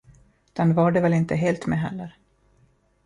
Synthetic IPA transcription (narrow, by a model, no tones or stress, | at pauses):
d̪̥ɛnvɑːɖɛvɛlɪnt̪əɦeːlt̪mɛɦɛ̰lːəɾ